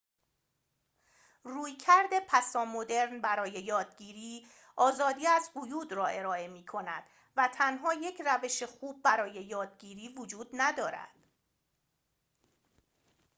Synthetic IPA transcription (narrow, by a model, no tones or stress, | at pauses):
ruːjcʰæɾd̪e̞pʰæsɒːmo̞d̪e̞ɾnbæɾɒːje̞jɒːd̪̚ɟiːɾiː | ɒːzɒːd̪iːæzhojuːd̪ɾɒːʔe̞ɾɒːe̞miːkʰo̞næ̰d̪̥ | væt̪ʰænɦɒːje̞cʰræve̞ʃe̞xuːb̚ːæɾɒːje̞jɒːd̪̚ɟiːɾiːvod͡ʒuːd̪næd̪ɒːɾæ̰d̪̥